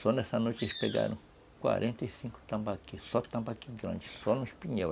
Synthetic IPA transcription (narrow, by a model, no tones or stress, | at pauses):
sonẽsanõt͡ʃiʃpeɡa̰ɾũ | kʷa̰ɾʔent̪aisiŋko̥t̪ãmbakisot̪ãmbakiɡɾã̰nt͡ʃi̥sonũʃpiɲẽβa